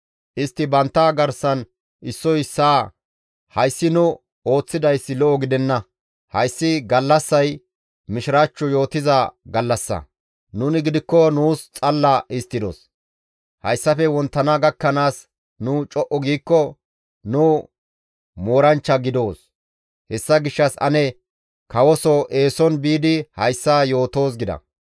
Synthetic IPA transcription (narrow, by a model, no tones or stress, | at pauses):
ʔɪst̪ːɪbɐnt̪ːaɡɐɾsːɐn | ʔɪsːɔjɪsːaː | hɐjsːɪnʊ | o̞ːt͡sːɪd̪ɐjsːɪlɔʔɔɡɪd̪ɛnːɐ | hɐjsːɪɡɐlːɐsːɐj | mɪʃɪɾaːt͡ʃːɔjo̞ːt̪ɪzɐɡɐlːɐsːɐ̰ | nʊnɪɡɪd̪ɪkːɔnuːst͡sʼɐlːɐʔɪst̪ːɪd̪ɔ̰s | hɐ̰jsːɐfɛwɔnt̪ːɐnɐɡɐkːɐnaːs | nʊt͡ʃʼɔʔɔɡiːkːɔ | nʊ | mo̞ːɾɐnt͡ʃːɐɡɪd̪o̞ːs | hɛsːɐɡɪʃːɐsɐ̰nɛ | kɐwɔsɔʔe̞ːsɔnbiːd̪ɪhɐjsːajo̞ːt̪o̞ːs̬ɡɪd̪ɐ̰